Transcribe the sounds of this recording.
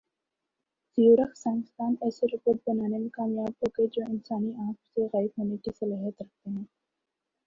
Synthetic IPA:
z̥ijuːɾəxsãːŋɪst̪aːnɛːseɾʊpət̪̚bɐnaːnemekaːmijaːb̚ɦoːɡed͡ʒoːɪnsaːniãːkseɣaːɪbɦoːnekisɐlaːɦət̪ɾɐk̚ʰt̪eɦɛ̃ː

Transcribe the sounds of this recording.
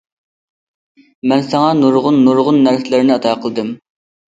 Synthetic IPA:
mɛnsɑŋɑnuɾʁʊnːuɾʁʊnːæɾsɪlɪɾnɪɑt̪ʰɑqʰəlˠɨd̪ɨm

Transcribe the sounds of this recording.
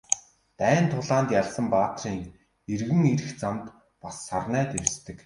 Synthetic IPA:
t̪æːnt̪ʰʊɮaːnt̪jaɮsə̆mpaːt̪riːŋ | erɣɘ̆ŋeɾɘ̆xt͡samt̪ | pasːarnæːt̪ewst̪ɘ̆k

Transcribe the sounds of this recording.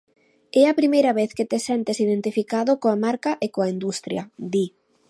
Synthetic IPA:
ɛɐpɾimejɾɐβeθkɪt̪esɛnt̪ɪsiðent̪ifikaðʊkoamaɾkɐʔekoaind̪ust̪ɾjɐd̪i

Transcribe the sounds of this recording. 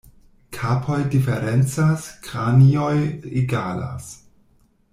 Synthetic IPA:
kʰapʰojdifeɾent͡saskʁaniojiɡaːla̰s

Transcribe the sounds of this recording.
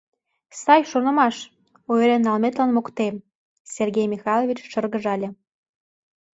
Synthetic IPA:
sɑjʃonɤ̆mɑʃ | oeɾenːɑlmet̪lɑnmokt̪em | sʲerɡʲejmʲixɑlˠovʲit͡ɕʃɤrɣə̆ʒɑlʲĕ

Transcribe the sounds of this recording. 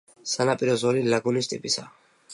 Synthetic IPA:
sanapʼiɾɔzɔlilaɡunist̪ʼḭpʼisa

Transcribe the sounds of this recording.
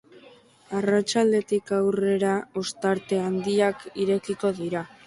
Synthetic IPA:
arat͡ʃald̪e̞t̪ikawre̞ɾaost̪aɾt̪e̞and̪iakiɾe̞kiko̞ðiɾa

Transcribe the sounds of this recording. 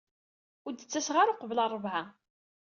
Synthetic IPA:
ʊɾd̪ət͡sːæsʁaɾʊqəvlɑrˤːəvʕa

